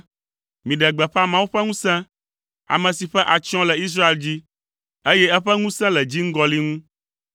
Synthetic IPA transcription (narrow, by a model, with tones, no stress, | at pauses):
mĩ˨ɖɛ˨ɡ͡bɛ˨ɸa˦mã˦wu˦ɸɛ˦ŋũ˦sɛ̃˦ | a̰˨mɛ̃˨si˨ɸɛ˦ʔa˨t͡ʃɔ̃˦lɛ˨i˦s̬ɾa˦e˨ld͡ʑi˦ | e˦jɛ˦ɛ˦ɸɛ˦ŋũ˦sɛ̃˦lɛ˨d͡ʑi˦ŋ̩˦ɡɔ˦li˦ŋũ˦